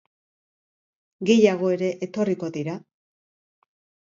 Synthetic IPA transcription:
ɡe̞jaɣ̞o̞e̞ɾe̞ʔet̪o̞riko̞ðiɾa

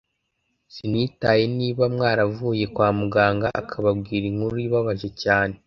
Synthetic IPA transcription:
sinitaje̞niːβamŋaːɾavuːje̞kwaːmuɡaːŋɡaʔa̰kʰaβab̚ɡiːɾiŋhuɾuiβaβaʒe̞caːne̞

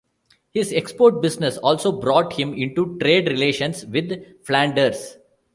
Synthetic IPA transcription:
hɪzekspoːɾʈ̚bɪsnesɔːlsoːbɾɔːʈhɪ̃mɪ̃ɳʈuʈɾeːɖɾɪleːʃə̃nsʋɪd̪ | flæ̃ɳɖəɾs

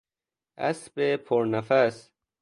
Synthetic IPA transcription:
ɐ̰sbepʰoɾnɐfɐs

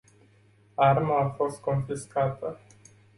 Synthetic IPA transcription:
armaːfo̞st̪̚ko̞nfiskat̪ə

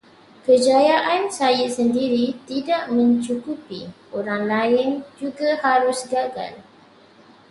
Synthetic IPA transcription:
kəd͡ʒajaʔansajasəndiɾit̪idaʔmə̃ɲt͡ʃukupi | oɾaŋlaɪnd͡ʒuɡahaɾʊsɡaɡa̰l

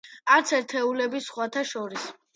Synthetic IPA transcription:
aɾt̪sʰɛɾt̪ʰɛulɛbisχwat̪ʰaʃɔɾis

